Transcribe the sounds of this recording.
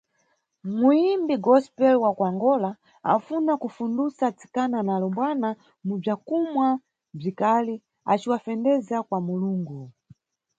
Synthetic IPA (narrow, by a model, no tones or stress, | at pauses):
muimbiɡɔspɛlwakwaŋɡɔla | a̰funakufundusat͡si̥kananalɔmbwana | mub͡ʐakumwa | b͡ʐikali | a̰t͡ʃiwafɛndɛzakwamuluːŋɡu